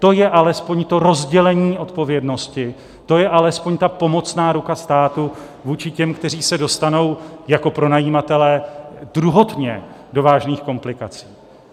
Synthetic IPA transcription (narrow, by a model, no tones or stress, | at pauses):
t̪o̞jɛʔalɛspo̞ɲt̪o̞ɾo̞zɟɛlɛɲiːʔo̞t̪po̞vjɛdno̞scɪ | t̪o̞jɛʔalɛspo̞ɲt̪apo̞mo̞t͡snaːɾukast̪aːt̪u | vuːt͡ʃɪcɛmkt̪ɛɾ̝iːsɛdo̞st̪ano̞wjako̞pɾo̞najiːmat̪ɛlɛːd̥ɾuɦo̞t̪ɲɛ | do̞vaːʒniːxko̞mplɪkat͡siː